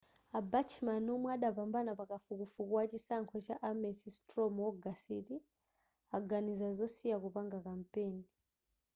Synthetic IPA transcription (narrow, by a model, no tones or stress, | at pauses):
abat͡ʃʰimanumwaɗapambanapakafukufukuwat͡ʃisaŋkʰɔt͡ʃaʔamɛsistrɔmwɔɡasiti | aɡanizazɔsiakupaŋɡakam̩peːni